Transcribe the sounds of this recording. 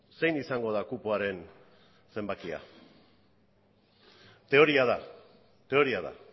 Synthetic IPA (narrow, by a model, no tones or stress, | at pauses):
se̞jnisaŋɡo̞ð̞akupuaɾe̞n | se̞mbakia̰ | t̪e̞o̞ɾiaða | t̪e̞o̞ɾiaða̰